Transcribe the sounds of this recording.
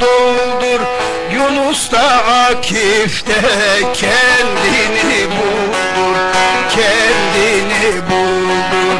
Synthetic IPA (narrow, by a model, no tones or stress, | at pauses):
ulˠd̪uɾ | junust̪ɑakʰift̪ɛcʰɛnd̪inibulld̪uɾcʰɛnd̪inibu | lˠd̪uɾ